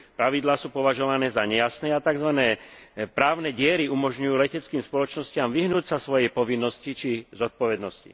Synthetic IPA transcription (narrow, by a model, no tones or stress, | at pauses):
pɾaʋid̪laːsuːpɔʋaʒɔʋanɛːzaɲɛjasnɛːat̪aɡzʋanɛːpɾaːʊnɛːɟɪɛɾiumɔʒɲujuːlɛcɛt͡skiːmspɔlɔt͡ʃnɔscɪamʋiɦnuːcsasʋɔjɛpɔʋinːɔscit͡ʃizɔt̪̚pɔʋɛd̪nɔscḭ